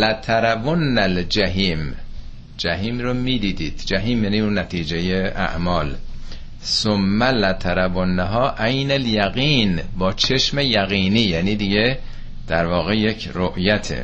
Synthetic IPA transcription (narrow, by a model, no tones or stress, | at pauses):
læt̪ʰæɾæbonːæld͡ʒæɦiːm | d͡ʒæɦiːmromiːd̪iːd̪iːd̪̥d͡ʒæɦiːmjæniːunːæt̪ʰiːd͡ʒejeʔæ̰ʔmɒːl | somːælæt̪ʰæɾæbonːæɦɒːʔæjnæljæɣiːnbɒːt͡ʃʰeʃme̞jæɣiːniːjæniːd̪iɟe̞ | d̪̥æɾvɒːɣe̞je̞cʰroʔjæt̪ʰḛ